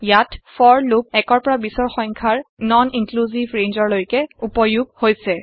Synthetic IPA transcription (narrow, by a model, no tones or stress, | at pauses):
jatfʰɔɹlup̚ɛkɔɹpɔɹabisɔɹxɔŋkʰaɹnɔniŋkluzivɹẽnzɔɹlojkɛupɔjuɡ̚hojsɛ